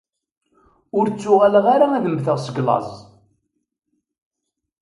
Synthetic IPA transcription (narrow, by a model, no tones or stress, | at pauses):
ʊɾt͡sːʊʁæləʁaɾaæðəmːθəʁsəɡlɑ̰zˤ